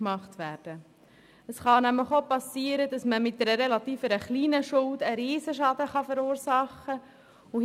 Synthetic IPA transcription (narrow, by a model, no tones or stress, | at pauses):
mɑχtʋæːɾd̥ə | əsχɑnæmləχopɑsiːəɾədɑsməmɪt̚dɛɾəɾɛlɑt̪iːfəɾəχliːnəʃʊldəɾiːsəʃɑdəχɑfɛɾuːɾsɑχə | ʊ